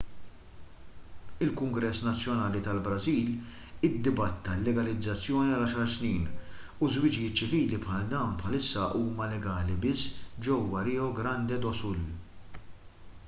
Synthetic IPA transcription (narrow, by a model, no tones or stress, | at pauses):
ɪlkʊŋɡɾɛsːnɐt͡sːjɔnɐːlit̪ɐlbɾɐziːl | ɪd̪ːɪbɐt̪ːɐlːɛɡɐlɪd͡zːɐt͡sːjɔːniɐlɐʃɐɾsniːn | uzwɪd͡ʒjɪːt̪̚t͡ʃɪviːlipħɐld̪ɐwnpħɐlɪsːɐʔuːmɐlɛɡɐːlibɪsːd͡ʒɛwːɐɾɛːɔɡɾɐnd̪ɛd̪ɔsʊl